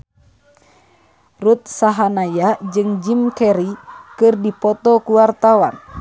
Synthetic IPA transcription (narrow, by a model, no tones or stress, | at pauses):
rut̪̚saɦanajad͡ʒɨŋd͡ʒimkɛɾikɨrdipɔt̪ɔkuwart̪awan